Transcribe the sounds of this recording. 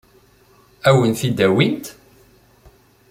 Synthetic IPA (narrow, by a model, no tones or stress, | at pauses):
æwənθid̪æwint̪